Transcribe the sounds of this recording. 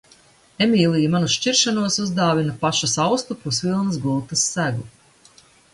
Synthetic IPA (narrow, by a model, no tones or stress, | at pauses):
emiːlˠijmanuʃt͡ʃiɾʃanuɔsuzd̪aːvinapaʃasawst̪upɾusvilˠnɐs̬ɡulˠt̪ɐsːæɡu